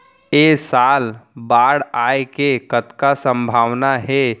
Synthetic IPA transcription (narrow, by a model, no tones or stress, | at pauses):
eːsaːlbaːɽaːekekət̪kasə̃mbʱaːʋnaɦɛ